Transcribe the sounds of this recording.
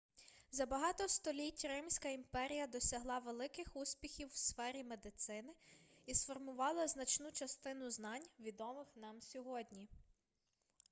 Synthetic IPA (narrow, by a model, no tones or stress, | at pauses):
zɐbɐɦɑt̪ɔst̪ɔlʲitʲrɪmsʲkɐimpɛɾʲijɐd̪ɔsʲɐɦlˠɑʋelˠɪkɪxusʲpʲixʲiwːsfɛɾʲime̞d̪ɪt̪sɪnɪisfɔrmʊʋɑlˠɐznɐt͡ʃnut͡ʃɐst̪ɪn̪ʊznɑnʲʋʲid̪ɔmɪxn̪ɑmsʲɔɦɔdʲnʲi